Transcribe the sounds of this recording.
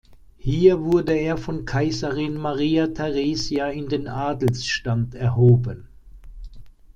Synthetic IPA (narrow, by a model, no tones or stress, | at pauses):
hiːɐvʊɐdəeːɐfɔnkʰaɪzɐʁɪnmaʁiːatʰɛʁeːzjaɪndeːnʔaːdl̩sʃtantɛɐɦoːbən